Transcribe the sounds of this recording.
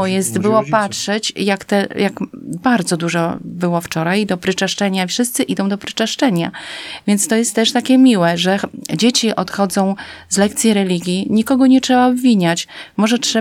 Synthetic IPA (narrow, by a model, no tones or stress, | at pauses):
ɔjɛst̪bɘwɔpatʂɛt͡ɕjakt̪ɛjakbaɾd̪zɔd̪uʐɔbɘwɔft͡ʂɔɾajd̪ɔpɾɘt͡ʂaʂt͡ʂɛɲaifʂɘst̪sɘʔid̪ɔ̃w̃d̪ɔpɾɘ̥t͡ʂaʂt͡ʂɛɲavʲjɛnt̪st̪ɔjɛst̪ːɛʂt̪akʲɛmʲiwɛʐɛd͡ʑet͡ɕiʔɔt̪xɔd̪zɔ̃w̃zlɛkt̪sʲjiɾɛlʲiɡʲjiɲikɔɡɔɲɛtʂɛbaɔbvʲiɲat͡ɕmɔʐɛtʂɛ